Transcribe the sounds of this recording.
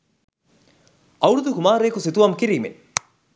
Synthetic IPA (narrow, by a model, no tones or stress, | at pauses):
ɐwɽud̪ukumaːɾeːkusit̪uʋɐmkiɾiːmḛn